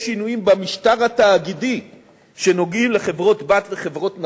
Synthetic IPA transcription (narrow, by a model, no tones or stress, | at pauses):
ʃinujimbamiʃtaʁhat̪aːɡidi | ʃe̞no̞ɡimle̞χe̞vʁo̞t̪bat̪leχevʁo̞t̪n